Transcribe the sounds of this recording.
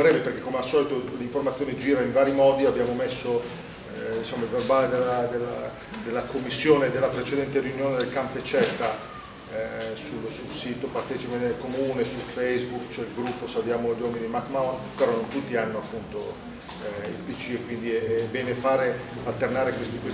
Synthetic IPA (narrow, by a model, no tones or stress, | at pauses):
ɾɛːleperkekːomeasːɔːlit̪oliɱformat̪sːjoːned͡ʒiːɾaiɱvaːɾimɔːd̪iabjaːmomesːo | insomːailverbaːled̪elːad̪elːa | d̪elːakomːisːjoːned̪elːapɾet͡ʃed̪ɛnt̪eɾijunjoːned̪elkampet͡ʃɛt̪ːa | sulsulsiːt̪opart̪ɛt͡ʃipenelkomuːnesulfejsbukt͡ʃoɛilɡɾupːosabjaːmoʎwɔmid̪imakmawpeɾɔnont̪ut̪ːianːoapːunt̪o | ḭlpit͡ʃikwind̪iɛbɛːnefaːɾealt̪ːernaːɾekwest̪ikwes